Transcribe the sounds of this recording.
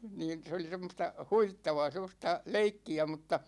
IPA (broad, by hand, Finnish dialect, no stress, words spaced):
niːn se oli semˑostɑ huʋitːɑʋɑː semˑostɑ leikːiæ mutːɑ